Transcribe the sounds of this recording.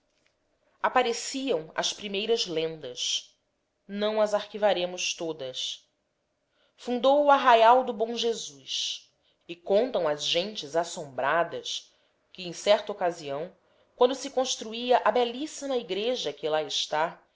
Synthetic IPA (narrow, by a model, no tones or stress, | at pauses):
apaɾesiɐ̃w̃ɐ̰spɾimejɾɐzlẽnd̪ɐs | nɐ̃w̃ɐzaɾkivaɾẽmʊst̪od̪ɐs | fũnd̪owʊaɦajawd̪ʊbõw̃ʒezus | ɪkõnt̪ɐ̃w̃ɐzʒẽnt͡ʃɪzasõmbɾad̪ɐs | kɪẽj̃sɛɾt̪ɐokaziɐ̃w̃ | kwɐ̃nd̪ʊsɪkõʃt̪ɾuiɐʔabɛlisɐnɐiɡɾeʒɐkɪlaɪʃt̪a